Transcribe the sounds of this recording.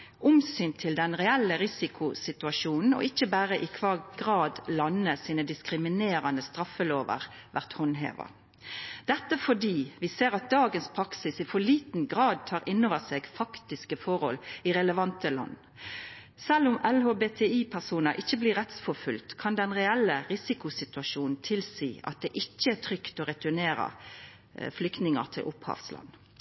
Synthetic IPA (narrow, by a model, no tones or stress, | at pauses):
ʔʊmsyːnt̪ʰɪld̪ɛnʁɛælːəɾɪsɪkʰʊsɪt̪ʉɑʂuːnn̩ɔ̰ʔɪçːəbæːɾəʔɪkʰʋɑːɡʁɑːd̪lɑnːəsiːnəd̪ɪskɾɪmɪneːɾɑnəst̪ʁɑfəloːʋə̰ʁʋʔæʁt̪hɔnɦḛːʋɑ̰ | d̪̥ɛt̪ːəfɔɖiːʋɪseːɾɑt̪̚d̪ɑːɡənspʰɾɑksɪsɪfɔɭiːt̪nɡʁɑːd̪̚t̪ʰɑːɾʔɪnːoːʋəseːɡfɑkt̪ɪskəfɔɾhɔ̰lɪʁɛləʋɑnt̪əlɑ̰nː | sɛlʊmɛlhoːbeːt̪ʰɛiːpʰæʁsuːnəɾʔɪçːəbliːʁɛt̪sfɔfʉlt̪kʰɑnd̪ɛnʁɛɛlːəʁɪsɪkʊsɪt̪ʉɑʃuːnn̩t̪ʰɪlsiːɑ̰t̪̚d̪ɛʔɪçːəæt̪ʰʁʏkt̪oːɾɛt̪ʉɳeːɾə̰ | flʏkt̪nɪŋə̰ʁt̪ʰɪlʔʊphɑ̰ːʋslɑ̰nː